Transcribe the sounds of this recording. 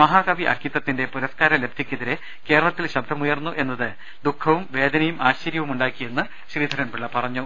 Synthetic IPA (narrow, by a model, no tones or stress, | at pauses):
mɐɦaːkɐʋiʔɐ̰rkʰːit̪ːɐt̪ːinde̞puɾɐskaːɾɐle̞bʱikʲːɐðiɾe | ke̞ːɾɐɭɐt̪ːilɕɐbd̪ʱɐmujɐrnːuʔe̞nːɐðɨ | d̪ukʰːɐʋumʋe̞ːd̪ɐnɐjumʔaːɕt͡ɕɐɾjɐʋumuɳɖaːkːije̞nːɨ | ɕriːd̪ʱɐɾɐnpiɭːɐpɐrɐɲːu